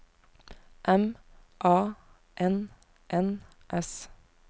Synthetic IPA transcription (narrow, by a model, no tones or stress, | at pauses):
ʔɛm | ʔɑː | ʔɛn | ʔɛn | ʔɛs